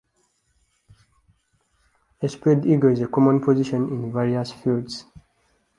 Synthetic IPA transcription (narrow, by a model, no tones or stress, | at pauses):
espɹediɡəizekɔmɔ̃npʰɔziʃɔ̃nĩnveɹiasfilds